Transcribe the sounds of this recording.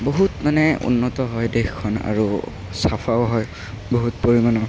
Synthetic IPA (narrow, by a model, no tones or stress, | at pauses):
boɦutmanɛṵnːɔtɔɦɔjdexkʰːɔna̰ɹu | sapʰawɦɔj | boɦutpoɹimanɔ